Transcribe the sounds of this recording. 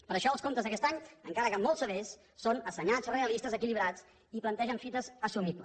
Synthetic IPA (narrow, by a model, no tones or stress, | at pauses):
pəɾəʃɔəlˠskomt̪əzðəkɛst̪aɲəŋkaɾəkəmɔlˠsəβes | sːonəsəɲad͡zreəlist̪əzəkiliβ̞ɾat͡s | iplənt̪ɛʒəɱfit̪əzəsumiβlə̰s